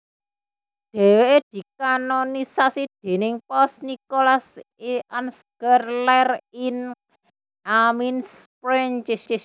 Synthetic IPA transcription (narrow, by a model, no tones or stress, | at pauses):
ɖ̪̥e̤weʔed̪̥i̤kanonisasid̪̥e̤nɪŋpɔsnikolaseʔansɡ̥ərlɛrin | ʔaminspɾɛɲt͡ʃʃ